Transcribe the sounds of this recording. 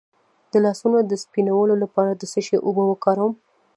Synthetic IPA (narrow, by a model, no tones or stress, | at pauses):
d̪̥əlɑsunod̪əspinawəlolapɑɾad̪əsəʃeʔʊbəwəkɑɾəwm